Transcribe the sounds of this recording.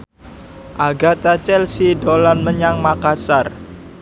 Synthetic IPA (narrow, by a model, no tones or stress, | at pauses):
ʔaɡat̪at͡ʃɛlsidolanməɲaŋmakasar